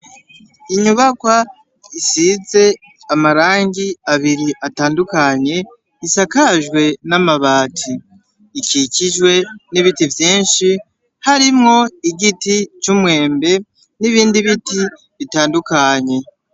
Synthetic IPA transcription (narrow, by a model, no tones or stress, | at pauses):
iɲuβakwa | isize̞ | amaɾaːŋɡiaβiɾiʔataːndukaɲe̞ | isakaʒɡwe̞namaβaːtʰiː | kiciʒwe̞niβitivjiːnʃi | haɾimŋo̞iɡitit͡ʃumwe̞ːmbe̞ | niβiːndiβiti | βitaːndukaɲe̞